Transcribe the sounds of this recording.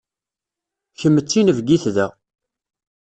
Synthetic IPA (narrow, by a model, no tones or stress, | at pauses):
çəmːət͡sːinəvɡiθðæ